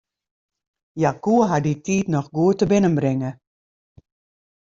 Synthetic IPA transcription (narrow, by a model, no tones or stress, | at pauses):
jakuəɦaditiːtnɔxɡuətəbɪnənbrɪŋə